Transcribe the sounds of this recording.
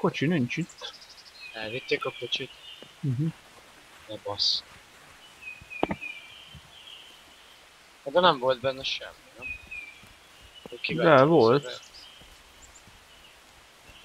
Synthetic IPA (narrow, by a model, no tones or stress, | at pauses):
ko̞t͡ʃinint͡ʃit̪ː | ɛlvit̪ːeːkɒkot͡ʃit̪̩ | ɦ̩ | nɛbɒs | hɛd̪ɛnɛɱvo̞lt̪̚bɛnːɛʃɛ̰mːinɛm | okid̪ɛvo̞lt̪